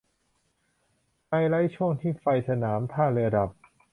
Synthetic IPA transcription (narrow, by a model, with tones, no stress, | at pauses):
pa˧jɾa˦˥jt͡ɕʰu˥˩əŋt̪ʰiː˥˩fa˧jsa˧naː˩˦mt̪ʰaː˥˩lɯ˧da˨˩p̚